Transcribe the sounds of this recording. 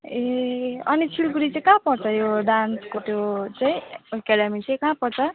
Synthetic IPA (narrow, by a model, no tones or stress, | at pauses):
eʌ̰nit͡sʰilkuɾit͡sãkãpʌɾt͡sʰʌjoɖanskot̪jot͡saĩkaɽamit͡sʰajkãpʌɾt͡sʰʌ